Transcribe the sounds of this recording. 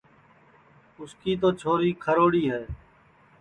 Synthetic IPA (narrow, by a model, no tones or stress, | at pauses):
ʊskiːt̪oːt͡ʃʰoːɾiːkʰəɾoːɽiːɦɛː